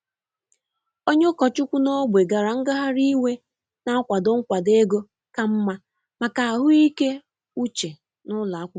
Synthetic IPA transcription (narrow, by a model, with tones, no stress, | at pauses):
o˦ɲe˦kɔ˨t͡ʃʊ˦kʷu˦no˦ɡ͡bʷe˨ɡa˨ɾa˨ŋ̩˦ɡa˦ɦa˦ɾi˦we˦ | na˦kʷa˨do˦ŋ̩˦kʷa˨de˦ɡo˦ | ka˦m̩˦ma˦ | ma˨ka˨a˨ɦʊ˦i˦ke˦ | u˦t͡ʃe˨ | nʊ˦la˨˦kʷʊ˦